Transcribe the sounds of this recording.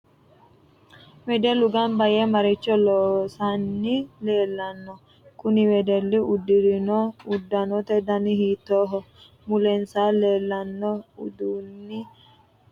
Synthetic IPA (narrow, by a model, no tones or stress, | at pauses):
wɛd̪ɛlʊɡɐnbɐjɛmɐɾɪt͡ʃːɔlɔːsanːɪleːlːɐnːɔ | kʊnɪwɛd̪ɛlːɪʊd̪ːɪɾɪnɔʊd̪ːɐnɔt̪ɛd̪ɐnɪhiːt̪ːoːɦɔ | mʊlɛnsaːleːlːɐnːɔʊd̪uːnːɪ